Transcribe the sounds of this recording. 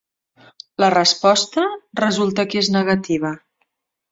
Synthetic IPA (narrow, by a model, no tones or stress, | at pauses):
lərəspɔst̪ərəzulˠt̪əkeznəɣət̪iβ̞ə